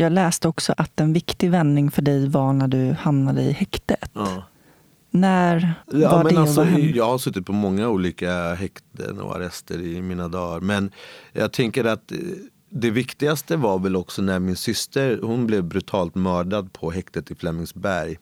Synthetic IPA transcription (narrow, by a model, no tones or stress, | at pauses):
jɑːɡlɛːst̪əɔksɔʔat̪ɛnvɪkt̪ɪvɛnːɪŋfœɖɛjvaɳæɖɵhamnad̪əɪ̰hɛkt̪ət̪ː | næɾavamɛnɖɛalsɔjɑːɡhaɾʂɵt̪ːɪt̪pʰɔmɔŋːauːliːkaɦɛkt̪ə̰nɔ̰a̰ɾɛst̪əɾɪmiːnad̪ɑːɾmɛnjɑ̰ːɡ̚t̪ʰɛŋkəɾat̪ | d̪ɛvɪkt̪ɪɡast̪əvaɾvɛlɔksɔnæɾmɪnsʏst̪əɾhʊnblɛvbɾʉt̪ʰɑːlt̪mœːɖad̪̚pʰɔɦɛkt̪ət̪ɪflɛmːɪŋsbæɾj